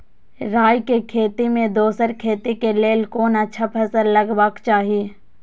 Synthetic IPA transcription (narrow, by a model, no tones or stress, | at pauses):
ɾaːjkekʰeːt̪imẽd̪oːsəɾkʰeːt̪ikeleːlkoːnətːʃʰapʰəsəɾlɐɡbaːkt͡ʃaːɦie